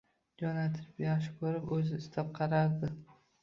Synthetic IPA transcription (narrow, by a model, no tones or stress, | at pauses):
d͡ʒɒnat̪ʰɪ̥pjaχʃɪ̥kʰɵɾɪpɵzɪɪst̪ʰap̚qʰɑɾaɾd̪ɪ